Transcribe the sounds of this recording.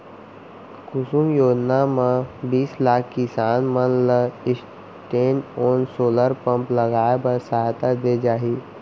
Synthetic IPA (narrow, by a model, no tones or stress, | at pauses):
kʊsumjoːd͡ʒnamãbiːslaːkʰkɪsaːnmənləɪs | ʈeːnoːnsoːləɾpə̃mpləɡaːbəɾsaɦt̪ad̪ed͡ʒaːɦiː